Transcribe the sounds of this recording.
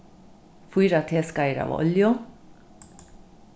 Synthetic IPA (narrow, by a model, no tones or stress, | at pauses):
fuːɾɑt̪ʰeːskɑɪɾɑ̰ːʋɔ̰ljʊ